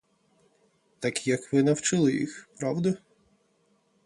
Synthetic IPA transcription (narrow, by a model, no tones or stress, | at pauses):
t̪ɑkjɐkʋɪnɐwt͡ʃɪlˠɪjḭxpɾɑwd̪ɐ